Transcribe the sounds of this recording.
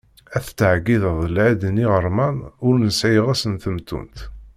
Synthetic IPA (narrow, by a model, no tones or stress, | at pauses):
æθt͡sːəʕɡiðəðˤəlʕid̪niʁəɾˤmænʊɾnəsʕijəʁæsənθəmt̪ːṵnt̪